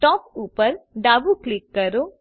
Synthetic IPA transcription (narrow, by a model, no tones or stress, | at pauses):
ʈɔːpupəɾɖaːbuklikːəɾo